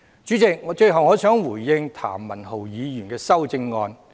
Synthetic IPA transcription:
t͡ʃyː˨˥t͡sɪ˨k̚ŋɔː˨˧t͡ʃɵ˧ɥɦɐ˨wŋɔː˨˧sœː˨˥ŋwuː˨˩jːɪ˧ŋt̪ʰa̰ː˨˩mːɐ˨˩nho˨wjiː˨˧jy˨˩nkɛː˧sɐ˥wt͡sɪ˧ŋːɔː˧n

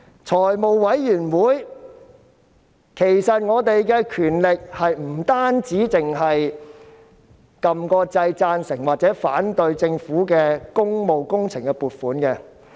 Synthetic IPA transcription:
t͡sʰɔː˨˩jmo˨wwɐ˨˥jːyː˨˩nwuː˨˥j | kʰe˨˩jsɐ˨t̚ŋɔː˨˧t̪e˨jkɛː˧kʰyː˨˩nlɪ˨k̚hɐ˨jm̩˨˩t̪aː˥nt͡siː˨˥t͡sɪ˨ŋɦɐ˨j | kɐ˨mkɔː˧t͡sɐ˧jt͡saː˧nsɪ˨˩ŋwaː˨t̚t͡sɛː˨˥fa̰ː˨˥nt̪ɵ˧ɥt͡sɪ˧ŋfuː˨˥kɛː˧kʊ˥ŋmo˨wkʊ˥ŋt͡sʰɪ˨˩ŋkɛ˧puː˨tfuː˨˥nkɛ˧

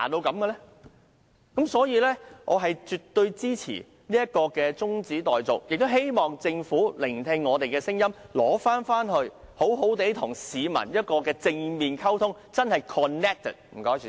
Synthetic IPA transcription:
a̰ː˨t̪o˧wkɐ˨˧˥mkɛ˧lɛ˥ | kɐ˨˦˥msɔː˨˥jiː˨˧lɛː˥ʔɔː˨˧ɦɐ˨jt͡ʃyː˨t̪ːɵ˧ɥt͡siː˥t͡sʰḭː˨˩ | niː˥jɐ˥t̚kɔː˧kɛː˧t͡sʊ˥ŋt͡siː˨˥t̪ɔː˨jt͡so˨˩k̚jɪ˨k̚t̪o˥whe˥jmɔː˨ŋt͡sɪ˧ŋfuː˨˥lɪ˨˩ŋ˨˩t̪ʰɛː˧ŋːɔː˨˧t̪e˨jkɛː˧sɪ˥ŋjɐ˥m | lɔ̰ː˨˥faː˥nfaː˥nɦɵ˧ɥ | ho˨˥wɦo˨˥wt̪e˨˥jt̪ʰʊ˨˩ŋsiː˨˧mɐ̰˨˩njɐ˥t̚kɔː˧kɛː˧t͡sɪ˧ŋmiː˨nkʰɐ˥wt̪ʰʊ˥ŋ | t͡sɐ˥nhɐ˨jkʰɔː˨nːɛː˥k̚t̪ʰɛ̰˨˩t̚m̩˨˩kɔː˨˧˥j

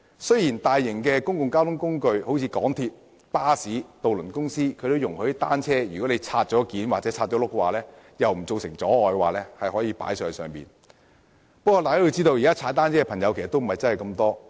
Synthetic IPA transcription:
sɵ˥jiː˨˩nt̪aː˨jːɪ˨˩ŋkɛː˧kʊ˥ŋkʊ˨˧ŋkaː˥wt̪ʰʊ˥ŋkʊ˥ŋkɵ˧ɥho˨˥wt͡sʰiː˧kɔː˨˥ŋt̪ʰiː˧t̚ | paː˥siː˨˥t̪o˨wlɵ˨˩nkʊ˥ŋsiː˥kʰɵ˨˧ɥt̪o˧wjʊ˨˩ŋhɵ˨˥jt̪aː˥nt͡sʰɛː˥jyː˨˩kɔ˨˥ne˨˧jt͡sʰaː˧t̚t͡ʃɔː˨˥kiː˨˥nwaː˨t̚t͡sɛ˨˥t͡sʰaː˧t̚t͡ʃɔ˨˥lʊ˥kːɛ˧waː˨˩lɛː˥ | jɐ˨wm̩˨˩t͡so˨wsɪ̰˨˩ŋt͡sɔː˨˥ɔː˨jkɛ˧waː˨˩lɛː˥hɐ˨jhɔː˨˥jiː˨˧pa̰ː˨˥jsœː˨ŋsœ̰ː˨ŋpḭː˨˩n | pɐ˥kːɔː˧laː˨jkaː˥jo˧wt͡siː˥t̪o˧wjiː˨˩kaː˥t͡sʰaː˨˧˥t̪aː˥nt͡ɕʰɛː˥kɛ˧pʰɐ˨˩ŋjɐ˨˧wkʰːst̪o˥wm̩˨˩hɐ˨˩jt͡sɐ˥nhɐ˨jkɐ˧mt̪ɔː˥

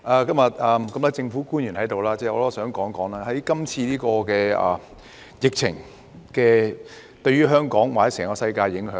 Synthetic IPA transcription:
ʔaː˧kɐ˥mjɐ˨t̚ɐː˨˧mkɐ˨˥mla˥t͡sɪ˧ŋfu˨˥kuː˥njy˨˩nhɐ˨˥jt̪o˨wlaː˥t͡sɛː˧ɔː˨˧lɔ˥sœː˨˥ŋkɔː˨˥ŋkɔː˨˥ŋlaː˥hɐ˨˥jkɐ˥mt͡sʰiː˧liː˥kɔː˧kɛː˧ɐ̰ː˨˩ | jɪ˨k̚t͡sʰɪ̰˨˩ŋ | kɛː˧ | t̪ɵ˧ɥyː˥ɦœː˥ŋkɔː˨˥ŋwaː˨˩˨sɛː˨˩ŋkɔː˧sɐ˧jkaː˧jːɪ˨˥ŋɦœː˨˥

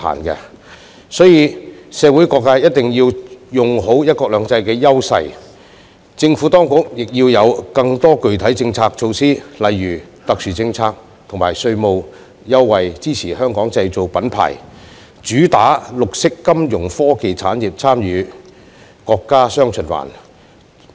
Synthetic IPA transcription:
a̰ː˨˩nkɛ̰˧ | sɔː˨˥jiː˧sɛː˨˧wu˨˥jkɔː˧k̚ːaː˥jɐ˥t̚t̪ɪ˨ŋjiː˧wjʊ˨˩ŋɦo˨˥wjɐ˥t̚kɔː˧k̚lœː˨˧ŋt͡sɐ˧jkɛː˧jɐ˥wsɐ̰˧j | t͡sɪ˧ŋfu˨˥t̪ɔː˥ŋkʊ˨˥k̚jɪ˨k̚jiː˧wjɐ˨˧wkɐ˧ŋt̪ɔː˥kɵ˨ɥt̪ʰɐ˨˥jt͡sɪ˧ŋt͡sʰaː˧k̚t͡ʃʰo˧wsiː˥lɐ˨jɥyː˨˩ | t̪ɐ˨k̚syː˨˩t͡sɪ˧ŋt͡sʰaː˧k̚ | t̪ʰʊ˨˩ŋmaː˨˩jsɵ˧ɥmo˨˧w | jɐ˥wːɐ˨jt͡siː˥t͡sʰiː˨˩hœː˥ŋkɔː˨˥ŋt͡sɐ˧jt͡so˨wpɐ˨˥npʰa̰ː˨˩j | t͡ʃyː˨˥t̪aː˨˥lʊ˨k̚sɪ˥kːɐ˥mjʊ˨˩ŋfɔː˥ke˨jt͡sʰa̰ː˨˥nji˨˩p̚t͡sʰaː˥mjyː˨˧ | kɔː˧kːaː˥sœː˥ŋt͡ʃʰɵ˨˩nwa̰ː˨˩n

